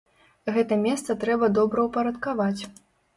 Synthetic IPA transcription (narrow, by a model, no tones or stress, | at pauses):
ɣɛt̪ɐmʲɛst̪sɐt̪ɾɛbɐd̪ɔbɾɐwpɐɾɐt̪kavat͡sʲ